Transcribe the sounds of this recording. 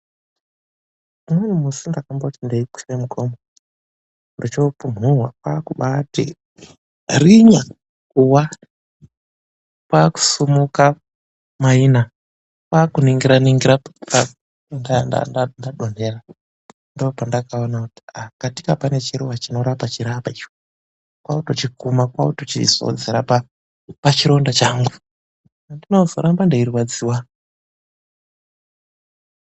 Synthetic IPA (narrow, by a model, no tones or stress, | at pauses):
menumusundakamboutindeiki̥semukʰomo | ndot͡ʃopunurwapaːkuɓatḭ | riɲa | kuwa | paːku̥sumuka | maina | pakuniŋɡiɾaniŋɡiɾapa | ndana̰ndandaɗon̤era | ndopandakao̞nakuti̥akati̥kapane̞t͡ʃiɾuwat͡ʃino̞ɾapat͡ʃiɾapait͡ʃo | kwautot͡ʃikumakwautot͡ʃḭz̥o̰d͡zeɾapa | pat͡ʃiɾo̞ndat͡ʃaːŋɡu | andinozo̞ɾambandeiɾiwad͡ziwa